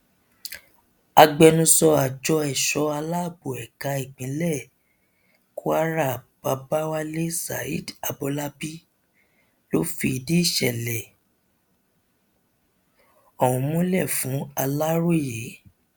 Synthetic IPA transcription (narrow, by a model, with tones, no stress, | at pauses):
a˧ɡ͡bɛ˧nũ˧sɔ˧a˨d͡ʒɔ˧ɛ˨ʃɔ˨˧a˧la˦˨bo˨ɛ˨ka˧i˨k͡pĩ˨˦lɛ˦˨ | ko˦a˦ɾa˦˨b̥a˨˧ba˦wa˦le˦sa̰˨ḭ˦˨da˧bɔ˧la˦bi˦ | lo˦fi˧i˧di˦i˦˨ʃɛ˨lɛ˨ | ɔ˦˨wũ˨mũ˦lɛ˦˨fũ˨˦a˧la˦ɾo˦˨je˨˦